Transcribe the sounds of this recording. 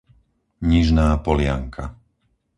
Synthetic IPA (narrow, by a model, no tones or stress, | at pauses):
ɲiʒnaːpɔlɪaŋkʰa